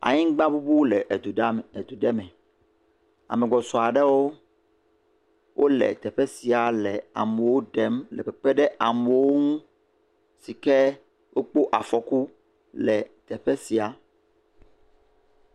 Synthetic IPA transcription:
a̰˨ɲĩ˦ŋ˦ɡ͡bã˦bu˦bu˦lɛ˨ʔe˨d̪u˨˦˨d̪u˨ɖɛ˦mɛ̃˨ | a̰˨mɛ̃˨ɡɔ˨sɔ˨a˨ɖɛ˦wo˦ | wʔo˦lɛ̰˨t̪ɛ˨ɸɛ˦si˨a˨lɛ˨a̰˨me˨wo˦ɖɛ˦mlɛ̰˨pɛ˨k͡pɛ˦ɖɛ˦ʔa˨me˨wo˦ŋũ˦ | si˨kɛ˦ | wʔo˦k͡po˦ʔa˨fɔ˨ku˦ | lɛ˨t̪ɛ˨ɸɛ˦si˨a˨

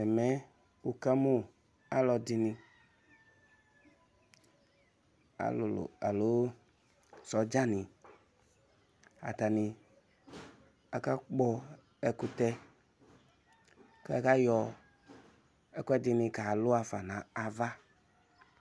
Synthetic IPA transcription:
ɛ˨mɛ˦ | u˨ka˦mu˦ | a̰˦lɔ˧di˧nĩ˧ | a̰˨ll̰a̰˨lo˨˦ | sɔ˨d͡ʒa˦nĩ˨ | a̰˨t̪a˨nĩ˨ | a˨ka˦k͡pɔ˦ | ɛ˨ku˦t̪ɛ˦ | ke˦a˦˨ka˦jɔ˨ | ɛ˦kʷɛ˦dɪ˧nĩ˧ka˨lʊ˦a˨fa˨nã˨a˨va˦

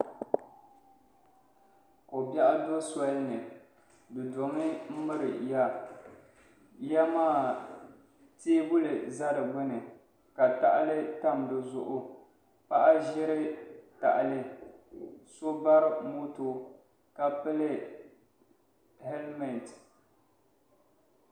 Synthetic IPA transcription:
ko˨ba˦ʔa˦do˦sa˦lnɨ˨ | dɨ˨do˨ŋɨ˦m̩˦mɨ˦ɾɨ˨ja˦ | ja˦maː˦˨ | teː˦bʊ˦lɨ˨za˦dɨ˨ɡ͡bʊ˦nɨ˨ | ka˨ta˦ʔa˦lɨ˦ta˦˨mdɨ˨zʊ˨ʔʊ˦ | pa˦ʔa˦ʒɪ˦ɾɪ˦ta̰˨ʔa˨lɪ˦ | so˦ba˦ɾmo˦to˦ | ka˨pɨ˦lɨ˦ | hɛ˦lmɛ˨n˨t

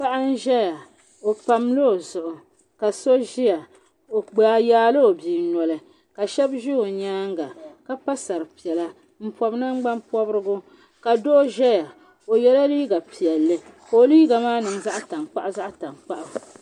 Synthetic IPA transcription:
pa˦ʔa˦n̩˦ʒɛ˦ja˨ | o˨pa˨mlo˦o˨zʊ˨ʔʊ˨ | ka˨so˦ʒi˦ja˨ | o˨ɡ͡baː˨jaː˦lɨ˦o˨biː˨nɔ˨lɨ˨ | ka˨ʃɛ˦bʒi˦o˨ɲaː˦ŋ˦ɡa˨ka˦pa˦sa˨ɾɨ˨pi˨ɛ˨la˦ | m̩˦pɔ˨bna˦ŋ͡mɡ͡ba˦npɔ˦bɾɨ˦ɡʊ˦ | ka˨doː˦ʒɛ˦ja˨ | o˨jɛ˦la˦liː˦ɡa˨pi˨jɛ˨lːɨ˦ko˨˦liː˦ɡa˨maː˦nɨ˨ŋza˦ʔta˨ŋk͡pa̰˦ʔa˦za˦ʔta˨ŋk͡pa˦ʔʊ˨

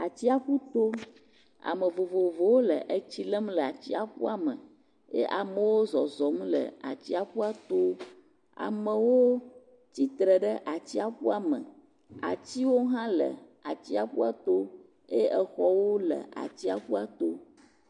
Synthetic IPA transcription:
a˨t͡ɕi˦a˨ɸu˦t̪o˦ | a̰˨mə̃˨vo˨vo˨vo˨wo˦lə˨ʔə˨t͡ɕi˦lə˦mlə˨a˨t͡ɕi˦a˨ɸṵ˦a˨mə̃˨ | jḛ˦ʔa˨mə˨wo˦zɔ˨zɔ˨m˦lə̰˨a̰˨t͡ɕi˦a˨ɸu˦a˦t̪o˦ | a̰˨mə̃˨wo˦ | t͡ɕi˦t̪ɾə˨ɖə˦ʔa˨t͡ɕi˦a˨ɸu˦a˨mə̰̃˨ | a̰˨t͡ɕi˦wo˦ɦã˦lə̰˨a˨t͡ɕi˦a˨ɸu˦a˦t̪o˦ | e˦ə˨xɔ˦wo˦lə̰˨ʔa̰˨t͡ɕi˦a˨ɸu˦a˦t̪o̰˦

